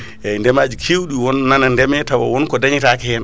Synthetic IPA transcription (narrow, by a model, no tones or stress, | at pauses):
ɛndɛmad͡ʒikʰiwɗiwɔnːanandɛmɛtawa̰wɔnkɔdaɲitakɛhɛn